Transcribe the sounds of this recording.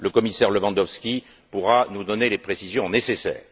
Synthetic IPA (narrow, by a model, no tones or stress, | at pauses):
ləkɔmisɛʁləvɑ̃d̪ɔfskʲi | puʁanud̪ɔnelepχesizjɔ̃nesesɛ̰ːʁ